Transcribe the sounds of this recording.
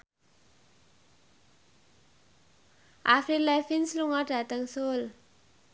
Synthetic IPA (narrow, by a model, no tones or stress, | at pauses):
a̰fɾilafinsluŋadat̪aŋsol